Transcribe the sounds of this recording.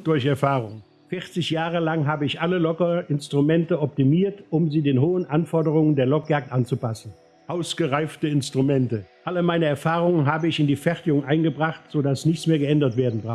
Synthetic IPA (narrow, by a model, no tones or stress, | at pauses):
d̥ʊɐçɛɐfaːʁʊŋ | fɪʁt͡sɪçjaːʁəlaŋɦaːbəɪçʔaləlɔkɐɪnstʁ̥umɛntəɔp̚timiːɐtʔʊmziːdeːnɦoːənʔanfɔɐdəʁʊŋəndeːɐlɔkjaːk̚tʔant͡supasn̩ | ʔaʊsɡ̥əʁaɪftəɪnstʁ̥umɛntəʔaləmaɪnəɛɐfaːʁʊŋənɦaːbəɪçɪndiːfɛʁtɪɡʊŋʔaɪnɡəbʁaχtz̥oːdasnɪçt͡ssmeːɐɡəɛndɐtv̥eːɐdn̩bʁa